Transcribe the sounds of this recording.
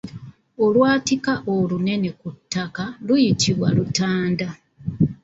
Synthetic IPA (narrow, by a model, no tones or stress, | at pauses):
o̞lwaːtikaʔolune̞ne̞kutːakalujitʰiβwa̰lutaːnda